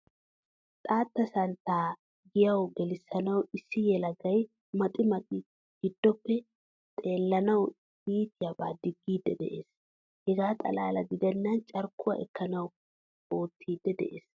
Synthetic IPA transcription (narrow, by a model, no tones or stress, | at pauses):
t̪ʼaːt̪ːɐsɐnt̪ːaː | ɡɪjɐwɡɛlɪsːɐnɐwɪsːɪjɛlɐɡɐj | mɐt̪ʼɪmɐt̪ʼɪ | ɡ̥ɪd̪ːɔpːɛ | t̪ʼe̞ːlːɐnɐw | iːt̪ɪjɐba̰ːd̪ɪɡːiːd̪ːɛ̰d̪ɛ̰ʔeːs | hɛɡaːt̪ʼɐ̰laːlɐɡɪd̪ɛnːɐnt͡ʃʼɐɾkːʊwɐ̰ʔɛkːɐnɐw | o̞ːt̪ʰːiːd̪ːɛd̪ɛ̰ʔeːs